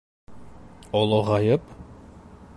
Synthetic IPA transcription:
olˠoʁɑjɤp

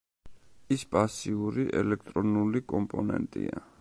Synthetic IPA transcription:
ispʼasiuɾiʔɛlɛk̚ʰt̪ʼɾɔnulikʼɔmpʼɔnɛ̰nt̪ʼḭa

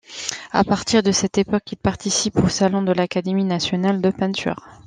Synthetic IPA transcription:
a̰paʁt̪iʁd̪əsɛt̪epɔkilpaʁt̪isiposalɔ̃d̪əlakad̪eminasjɔnald̪əpɛ̃nt̪y̰ʁ

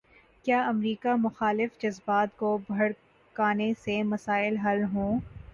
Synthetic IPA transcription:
kjaːɐmɾiːkamʊxaːlɪfd͡ʒɐzbaːt̪kobʱɐɽ | kaːnesemɐsaːɪlɦɐlɦõː

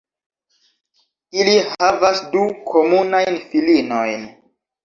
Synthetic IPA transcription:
ilihavasdukʰo̞munajnfilino̞jn

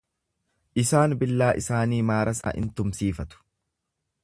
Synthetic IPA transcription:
ʔɪsaːnbɪlːaːʔɪsaːniːmaːɾʔɐsa̰ːʔɪ̰nt̪ʊmsiːfɐt̪ʊ̥

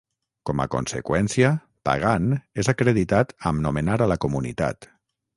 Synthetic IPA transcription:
kɔma̰ko̰nsḛkwɛnsiə | pa̰ɣ̞anezakɾeðit̪at̪əmnomenaɾəlakumunḭt̪a̰t̪

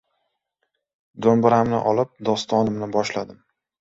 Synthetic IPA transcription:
d̪ombɪɾamnɪ̰ʔɒlˠɪp̚d̪ɒst̪ʰɒnɪmnɪbɒʃlad̪ɪm

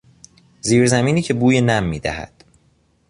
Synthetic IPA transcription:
ziːɾzæmiːniːcʰe̞buːjenæmːiːd̪æ̰hæ̰d̪̥

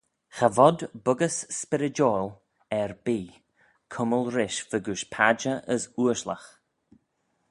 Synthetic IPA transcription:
xavɔd̪bʊɡəsːpɪɾɪd͡ʒɔːl | ɛɹbiː | kʰʊməlˠɾɪʃv̥əɡuʃpʰad͡ʒəʔəsuəʃləx

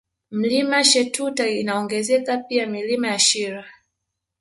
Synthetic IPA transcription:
m̩limaʃɛtutainaɔŋɡɛzɛkapiamilimajaʃiɾa

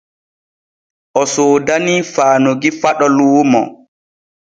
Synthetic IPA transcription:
ʔɔsoːdaniːfaːnoɡifaɗɔluːmɔ̰

